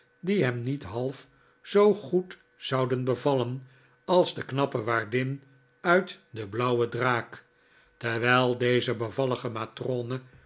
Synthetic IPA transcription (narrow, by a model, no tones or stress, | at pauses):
diɦɛmnitɦɑlˠf | z̥owχut | z̥ɑwdənbəvɑlən | ɑlˠzdəknɑpəʋaːɹdɪn | œɥtdəblʌwədraːk | təʋɛɪlˠdejzəbəvɑləχəmatronə